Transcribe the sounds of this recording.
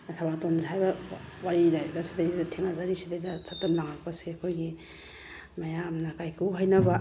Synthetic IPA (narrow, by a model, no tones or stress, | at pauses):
tʰabatonzɦajbɐwaɾilajbɐsidajdtʰiŋazaɾisidajdɐsatːɐmlaŋak̚pɐseɐkʰojɡi | mɐjamnakajkʰuɦajnɐbɐ